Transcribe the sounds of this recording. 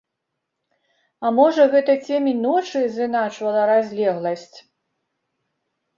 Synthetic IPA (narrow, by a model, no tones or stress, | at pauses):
ɐmɔʐɐɣɛt̪ɐt͡sʲɛmʲinɔt͡ʂɨzɨnat͡ʂvɐlˠɐɾazʲlʲɛɣlˠɐsʲt͡sʲ